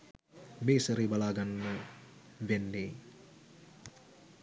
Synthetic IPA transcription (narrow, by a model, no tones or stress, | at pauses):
beːsəɾibalaːɡanːə | ʋenːeː